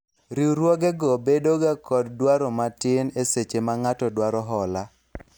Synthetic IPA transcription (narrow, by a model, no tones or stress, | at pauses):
ɾiɾwɔɡɛɡɔbedoɡakɔddwaɾɔmatɪneset͡ʃemaŋatɔdwaɾɔɦɔla